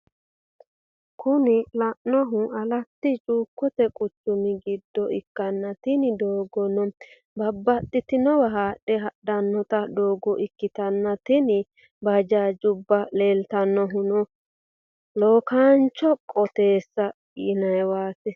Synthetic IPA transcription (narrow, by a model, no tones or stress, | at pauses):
kʰʊnɪlɐʔnɔɦʊɐlɐt̪ːɪt͡ʃʼuːkːɔt̪ɛkʼʊt͡ʃːʊmɪɡɪd̪ːɔʔɪkːɐnːɐt̪ɪnɪd̪oːɡɔnɔ | bɐbːɐt̪ʼːɪt̪ɪnɔwɐɦaːɗɛɦɐɗɐnːɔt̪ɐd̪oːɡɔʔɪkːɪt̪ɐnːɐt̪ɪnɪ | bɐd͡ʒaːd͡ʒʊbːɐle̞ːlt̪ɐnːɔɦʊnɔ | loːkaːnt͡ʃːɔkʼɔt̪e̞ːsːɐ | ɪnɐjwaːsɛ